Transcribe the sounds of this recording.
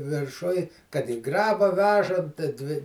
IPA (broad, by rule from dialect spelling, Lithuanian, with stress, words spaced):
ʋʲɪrˈʃʊj kɐt ɪ ˈɡrɑːbɐ ˈʋʲæːʒɐnt tʲɪ ˈdʲʋʲɪ